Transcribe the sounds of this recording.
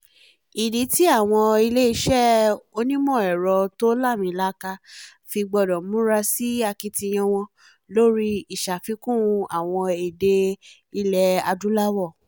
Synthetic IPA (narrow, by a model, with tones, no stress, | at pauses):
i˨de˨˦ti˨˦a˦˨w̃ɔ̃˧i˧le˦i˧ʃɛ˦˨o˧nĩ˦mɔ̃˦˨ɛ˨ɾɔ˧to˦la˦˨mĩ˨˦la˦ka˧ | fi˧ɡ͡bɔ˧dɔ̃˨mũ˨˦ɾa˧si˦a˧ki˧tĩ˧j̃ɔ̃˧w̃ɔ̃˧ | lo˦ɾi˦i˨ʃa˨fi˧kũ˦˧a˨w̃ɔ̃˧i˨de˧ | i˧lɛ˧a˧dũ˦la˦wɔ˦˨